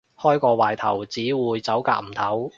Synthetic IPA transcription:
hɔː˥jkɔː˧waː˨˩jt̪ʰɐ̰˨˩wt͡siː˨˥wuː˨˧jt͡sɐ˨˥wka̰ː˧k̚m̩˨˩t̪ʰɐ˨˥w

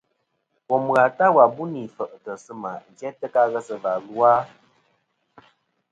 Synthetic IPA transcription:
kɔ˨m˨ɣa˨ta˦wa˨bu˦ni˨fə˨ʔə˨tə˨sɨ˦ma˨n˨d͡ʒɛ˦tə˦ka˦ɣə˦sə˨va˨lu˦a˦

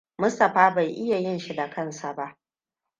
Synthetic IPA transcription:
mʊ˦stɐ˨ɸaː˦ba˨jʔɪ˦ja˨jɪ˦nʃi˦da˨kʰɐ˦nsa˨ba˦ʔ

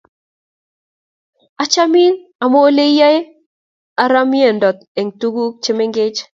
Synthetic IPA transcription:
a˦t͡ʃa˦mi˦na˨mo˦le˦ja˦e˦ | a˨ɾa˦m˦e˦˨ndɔ˨t̪̚e˨ŋtu˦ɡu˦t͡ʃɪ˦mɪ˦ŋɡɪ˦t͡ʃ

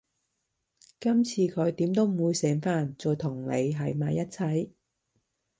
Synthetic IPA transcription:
kɐ˥mt͡sʰiː˨kʰɵ˨˧ɥt̪iː˨˥mt̪o˥wm̩˨˩wuː˨˧jsɛː˨˥ŋfaː˥nt͡sɔː˨˧jt̪ʰʊ˨˩ŋlḛ˨˧jɦɐ˨˥jmaː˨˧jːɐ˥t̚t͡sʰɐ˨˥˩j

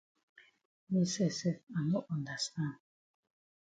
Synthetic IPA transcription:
mɛ˦sɛ˦˨sɛ˦˨a˨mo˦ʔu˨nda˨sa˦˨

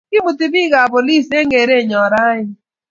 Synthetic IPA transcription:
kɪ˦bu˨ti˨bi˦ɣa˨po˨li˦˨se˦ŋɡe˨ɾe˦˨ɲɔ˨ɾa˦ɲɪ˦

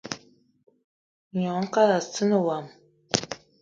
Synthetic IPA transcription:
ɲɔ˨˦ŋ̩˦ka˦la˨sɨ˦nə˨wa˨m

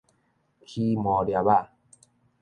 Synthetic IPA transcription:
kʰi˧mɔ˨˩ɾja˨ba˦˧˨

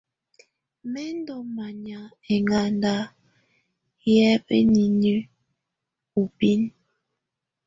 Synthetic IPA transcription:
mɛ˦n˦dɔ˨ma˨ɲa˨ | e˨ŋa˨nda˦ | jɛ˦pḛ˦ni˨nʉ˦ | u˨pi˦n

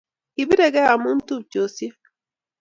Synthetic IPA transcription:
iβi˦ɾe˨ɣɛ˦a˨muː˦ntu˦t͡ʃo˨sje˦

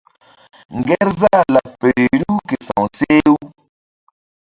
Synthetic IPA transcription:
ŋɡɛ˦ɾza˦˨la˨fe˨ɾe˨ɾu˦ke˨sã̰˨seː˦u˦

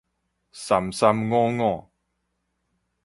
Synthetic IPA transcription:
sa˨˩msa˧mŋɔ˦ŋɔ˥˧˨

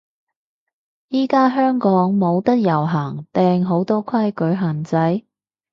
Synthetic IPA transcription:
jiː˥kaː˥ɦœː˥ŋkɔː˨˥ŋmo˨˧wt̪ɐ˥k̚jɐ˨˩wɦaː˨˩ŋt̪ɛː˧ŋɦo˨˧˥wt̪ɔː˥kʰɐ˥jkɵ˨˧˥ɥɦaː˨˩ŋt͡sɐ˨˥j

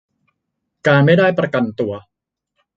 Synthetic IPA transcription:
kaː˧nma˥˩jdaː˥˩jpɾa˧ka˧nt̪u˧ɐ

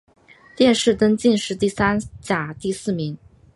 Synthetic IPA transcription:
t̪jɛ˥˧nʂɻ̩˥˩t̪ɤ˥ŋt͡ɕi˥˧nʂɻ̩˥˧t̪i˥˩sa˥nt͡ɕja˨˩t̪i˥˧sɹ̩˥˩mi˧˥ŋ

